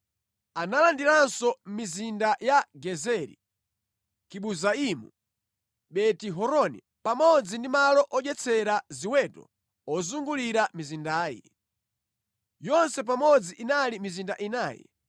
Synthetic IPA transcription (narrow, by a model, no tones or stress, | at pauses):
analandiɾansɔmizindajaɡɛzɛɾḭ | kiɓuzaimu | ɓɛtiɦɔɾɔnḭ | pamɔd͡zindimalɔʔɔʄɛt͡sʰɛɾaziwɛtɔ̰ | ɔzuŋɡuliɾamizindaːjḭ | jɔnsɛp̬amɔd͡ziʔinalimizindaʔinaːjɛ̰